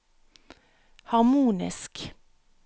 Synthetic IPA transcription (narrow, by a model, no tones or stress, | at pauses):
hɑʁmuːnɪ̰sk